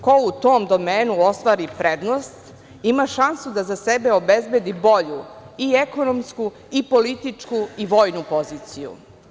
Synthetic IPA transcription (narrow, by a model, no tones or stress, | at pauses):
kout̪oːmd̪o̞meːnuost̪ʋaːɾipɾed̪nost̪ | imaʃansud̪azasebeobezbed̪ibo̞ʎu | ieko̞nomsku | ipolit̪it͡ʂkuiʋoːjnupo̞ziːt̪sijṵ